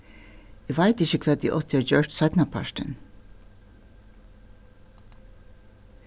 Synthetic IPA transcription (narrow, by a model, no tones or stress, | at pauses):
eʋæɪt̪ɪçəkʰʋɛːd̪̚ḭːʔɔt̪ʰɪɔːd͡ʒœːʈsɑɪt̪nɑpʰɑ̰ʃʈə̰n